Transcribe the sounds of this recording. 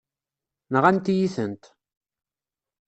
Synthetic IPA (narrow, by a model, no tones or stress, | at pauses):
nəʁænt̪jiθənt̪